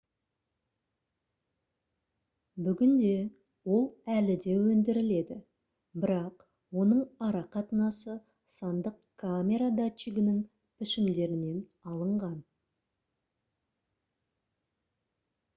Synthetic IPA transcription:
bʏɡʲɪnd̪e̞ | wo̞lˠælɪd̪e̞wɵnd̪ɪɾɪle̞d̪ɪ | bɪɾɑq | wo̞nəɴɑɾɑqʰɑt̪ənɑsə | sɑnd̪əqkʰːamʲe̞ɾad̪at͡ʃiɡʲɪnɪŋ | pʰɪʃɪmd̪e̞ɾɪne̞n | ɑlˠəɴʁɑn

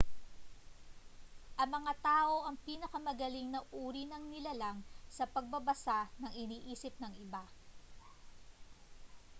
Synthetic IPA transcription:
ʔɐŋmːɐŋat̪aːʔo̞ʔɐŋpiːnɐkɐmɐɡɐlɪŋnɐʔuːɾinɐŋnɪlalaŋsɐpɐɡ̚bɐbɐsanɐŋɪniːʔiːsɪp̚nɐŋɪba

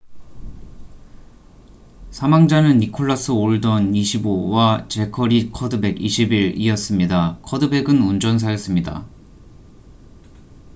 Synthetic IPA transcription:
sʰamaŋd͡ʑanɯnːikʰoɭːas͈ʰɯoɭdʌniɕʰibowat͡ɕe̞kʰʌɾikʰʌdɯbe̞ɡiɕʰibiɾiʌs͈ɯmɲidakʰʌdɯbe̞ɡɯnund͡ʑʌns̬ʰajʌs͈ɯmɲida̰

